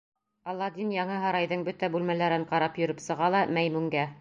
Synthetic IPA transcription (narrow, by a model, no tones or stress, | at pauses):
ɑlːɑd̪injɑɴɤɦɑɾɑjðɤɴbɵt̪æbʉlmælæɾɘɴqɑɾɑpjɵ̆ɾɵpsɤ̆ʁɑlˠɑmæjmʉŋɡæ